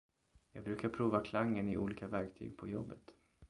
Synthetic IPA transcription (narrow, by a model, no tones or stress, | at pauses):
jɑːɡ̚bɾʉ̟ːkaɾpʰɾuːvakʰlaŋːənɪʔṵːliːkavæɾkt̪ʰy̰ːɡ̚pʰɔjɔbːət̪